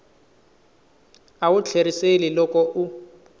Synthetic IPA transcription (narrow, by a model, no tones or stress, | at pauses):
aʊt͡ɬʰeɾiselɪlɔkɔʔu